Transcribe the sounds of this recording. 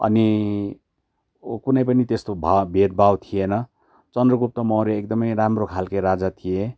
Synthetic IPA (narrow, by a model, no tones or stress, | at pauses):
ʌ̰ni | kunʌjpʌnit̪est̪obʱabʱet̪̚bʱawt̪ʰijenʌ | t͡sʌnd̪rʌɡup̚t̪ʌmʌwɾeekd̪ʌmʌjɾamrokʰalkajɾad͡zat̪ʰije